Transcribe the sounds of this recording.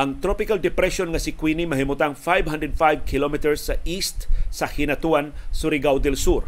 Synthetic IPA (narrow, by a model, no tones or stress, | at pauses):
ʔɐŋt̪ɾopɪkald̪ɛpɾɛʃonŋɐsɪkwinimɐɦɪmʊt̪aŋfajbɦand̪ɾɛd̪̚fajv̚kʰɪlomit̪ɛɹsːɐʔist̪sɐhɪnɐt̪uansʊɾɪɡawd̪ɛlsuɾ